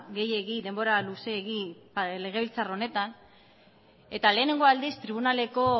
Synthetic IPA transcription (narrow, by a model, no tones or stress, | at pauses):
ɡe̞je̞ɣid̪e̞mbo̞ɾaluse̞ːɣiple̞ɣ̞e̞βilt͡saro̞ne̞t̪an | e̞t̪ale̞ːne̞ŋɡo̞ald̪ist̪ɾiβ̞unale̞ko̞